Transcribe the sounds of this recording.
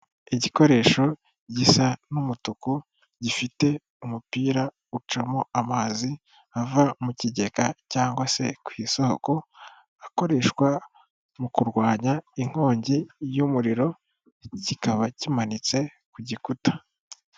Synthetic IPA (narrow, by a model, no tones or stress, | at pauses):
iɟiko̞ɾe̞ːʃo̞ | ɟisanumutuku | ɟifite̞ | umupiːɾa | ut͡ʃamoamaːzi | avamuciɟe̞kacaːŋɡwase̞̰kwiːsoho̰ko̞ | ako̞ɾe̞ʃkwa | mukuɾɡwaːɲaiŋ̥ho̞ːɲɟijumuɾiɾo̞ | cikaβacimanit͡se̞ | kuɟikutḁ